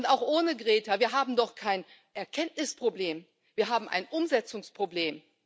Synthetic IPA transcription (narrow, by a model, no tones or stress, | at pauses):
ʊntaʊxʔoːnəɡʁɛːtɐviːɐɦaːbm̩dɔχkʰaɪnʔɛɐkʰɛntnɪspʁ̥obleːm | v̥iːɐɦaːbm̩ʔa̰ɪnʔʊmzɛt͡sʊŋspʁ̥obleːm